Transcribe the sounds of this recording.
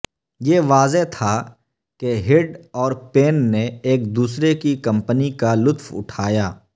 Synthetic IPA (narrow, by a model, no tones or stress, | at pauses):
jeːʋaːzet̪ʰa | keɦɪɖɔːɾpeːnːeeːk̚d̪uːsɾekikɐ̃mpənikalʊt̪fʊ̰ʈʰaːjaː